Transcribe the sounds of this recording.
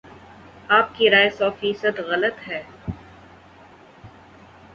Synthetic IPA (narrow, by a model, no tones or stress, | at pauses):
aːp̚kiɾaːjsɔːfiːsəd̪ɣɐlət̪ɦɛː